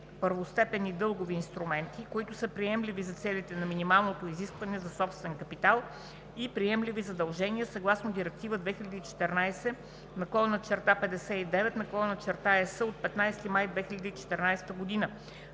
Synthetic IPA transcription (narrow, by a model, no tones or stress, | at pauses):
pəɾvost̪ɛpɛnid̪ɤlˠɡoviːnst̪ɾumɛnt̪ikoit̪ʊsɤpɾiɛmlivizɐt̪sɛlʲit̪ɛnɐminimalˠnot̪oiziskvɐnɛzɐsɔpst̪vɛnkɐpit̪alˠ | ipɾiɛmlivizɐd̪ɐlˠʒɛniɛsɐɡlˠasnod̪iɾɛk̚t̪ivəd̪vɛxilʲɐd̪iit͡ʃɛ̥t̪ɛɾnajsɛ | nɐkɔlˠonɐt͡ʃɛɾt̪apɛd̪ɛsɛid̪ɛvɛt̪nɐkɔlˠonɐt͡ʃɛɾt̪aɛsəot̪̚pɛt̪najst̪imajd̪vɛxilʲɐd̪iit͡ʃɛ̥t̪ɛɾnajsɛ̥t̪əɡʊd̪inə